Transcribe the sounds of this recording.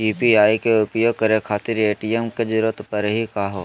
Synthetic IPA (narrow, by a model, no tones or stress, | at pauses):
iːpiaːikeʊpjoːɡ̚kɐɾekʰaːt̪ɪɾeːʈijemked͡ʒɪɾət̪pəɾɦikaːɦoː